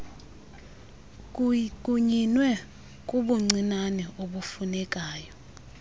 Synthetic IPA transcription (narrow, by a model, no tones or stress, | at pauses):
kʼuɲinwɛ | kʼuɓuŋ͡ǀinanɛoɓufunɛk̬ʼaːjɔ